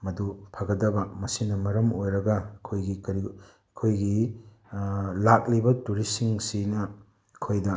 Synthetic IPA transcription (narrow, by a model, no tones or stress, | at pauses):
mɐdupʰɐɡɐdɐbɐmɐsinɐmɐɾɐmojɾɐɡɐːkʰojɡikɐɾi | kʰojɡi | lak̚libɐtuɾisiŋsinɐ | kʰojdɐ